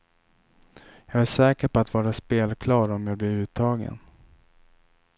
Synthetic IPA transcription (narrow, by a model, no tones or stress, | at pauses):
jɑːɡæʂɛːkəɾpɔat̪vɑːɾaspeːlkʰlɑːɾɔmjɑːɡblɪɾʉ̟ːt̪ʰɑːɡə̰n